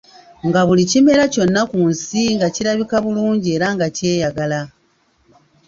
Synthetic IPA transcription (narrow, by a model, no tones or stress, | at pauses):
ŋɡaβulicime̞ɾaco̞nːakunsiŋɡaciɾaβikaβuluːɲɟie̞ːɾaŋɡace̞ːjaɡala